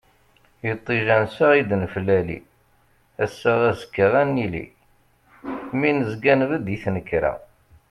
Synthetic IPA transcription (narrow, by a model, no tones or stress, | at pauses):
jət̪ˤːiʒænsaʁid̪nəflælḭ | æsːaʁæzə̥kːəʁænːilḭ | minəzɡænvəd̪jiθnəkːɾa̰